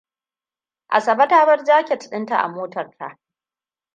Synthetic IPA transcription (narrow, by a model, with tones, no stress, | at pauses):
ʔa̰˨sɐ˨bɐ˦taː˦bɐ˦rd͡ʒaː˦kʲe˨tɪ̥˨ɗɪ˦nta˨ʔa̰˨moː˦tɐ˨rtʰa̰˨ʔ